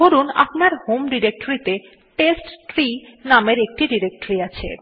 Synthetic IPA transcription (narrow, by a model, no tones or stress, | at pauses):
oɾuna̰pnaɾhomɖiɾek̚ʈoɾit̪e | ʈesʈʈɾinameɾek̚ʈiɖiɾek̚ʈoɾiat͡ɕʰḛ